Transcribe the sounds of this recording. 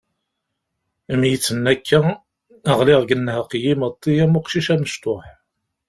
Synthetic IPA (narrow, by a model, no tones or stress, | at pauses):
mjət͡sːənːækʰːæː | ʁlɪʁɡənːhəqjimət̪ˤːijæmʊqʃiʃæməʃt̪oħ